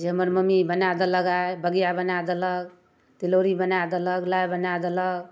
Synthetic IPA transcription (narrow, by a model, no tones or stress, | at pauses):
d͡ʒeɦəməɾməmibənad̪ələɡabəɡijabənad̪ələɡ | t̪iloɾibənad̪ələɡlajbənad̪ələɡ